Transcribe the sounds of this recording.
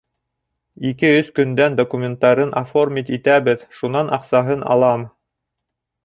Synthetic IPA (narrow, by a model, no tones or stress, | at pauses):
ikɘɵskɵ̆nd̪ænd̪okumʲent̪ːɑɾɤnʔaformit̪it̪æβɘðʃunɑnɑqsɑɦɤnɑ̰lˠɑm